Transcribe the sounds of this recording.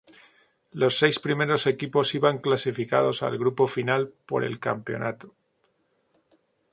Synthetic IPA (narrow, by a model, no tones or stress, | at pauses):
lo̞sːe̞jspɾime̞ɾo̞se̞kipo̞siβaŋklasifika̰ð̞o̞sa̰lɣɾupo̞finalpo̞̰ɾe̞̰lka̰mpe̞o̞̰nat̪o̥